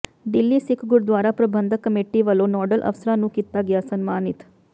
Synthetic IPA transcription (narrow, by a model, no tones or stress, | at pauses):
ɖilːiːsikʰɡuɽd̪ʋaːɾapɾɐbʱɐnd̪ʱɐkɐmeʈːiʋɐloːnɔːɖɐlʔɐ̰ʋɐsɾaːnukit̪ːaːɡjaːsɐnmaːnit̪